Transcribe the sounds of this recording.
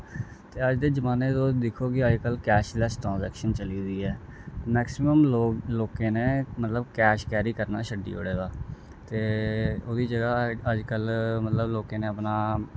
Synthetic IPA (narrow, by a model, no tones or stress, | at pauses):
t̪eːəd͡ʒd̪eːd͡ʒəmaːneːt̪oːd̪ɪkʰoːkɪəd͡ʒkəlkɛːʃlɛːsʈɾãːnzɛːkʃənt͡ʃəliːd̪iːɛːmɛːksɪməmlːloːkeːneːmət̪ləbkɛːʃkɛːɾiːkəɾnaːʃʰəɖḭːʊ̰ɽeːɡaː | t̪eːoːd̪iːd͡ʒəɡaːəd͡ʒkəlmət̪ləbloːkeːneːəpnaː